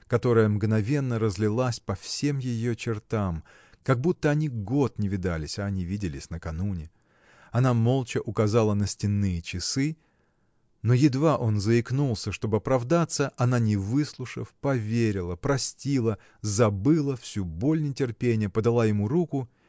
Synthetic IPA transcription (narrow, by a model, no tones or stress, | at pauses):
kɐt̪o̞ɾəjəmɡnɐvʲe̞nːəɾəzʲlʲɪlˠasʲpɐfsʲe̞mjɪjot͡ɕɪrt̪am | kɐɡ̚but̪ːəɐnʲiɡot̪nʲɪvʲɪd̪alʲɪsʲɐːnʲivʲidʲɪlʲɪsʲnəkɐnunʲɪ | ɐnamo̞lˠt͡ɕɪʔʊkɐzalˠənəsʲtʲɪnːɨjət͡ɕɪsɨ | no̞jɪd̪vaʔo̞nzəɪknulˠsʲəʂt̪o̞bɨɐpɾɐvd̪at̪sːəʔɐnanʲɪvɨslˠʊʂə̰fpɐvʲeɾʲɪlˠəpɾɐsʲtʲilˠə | zɐbɨlˠəfsʲubo̞lʲnətʲɪrpʲenʲɪjəpəd̪ɐlˠajɪmuɾukʊ